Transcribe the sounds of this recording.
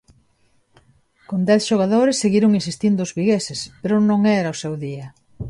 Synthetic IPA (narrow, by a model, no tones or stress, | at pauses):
kond̪ɛθʃoɣaðoɾesːeɣiɾʊŋinsist̪ind̪ʊːzβiɣesespeɾʊnõŋɛɾɐosewðiɐ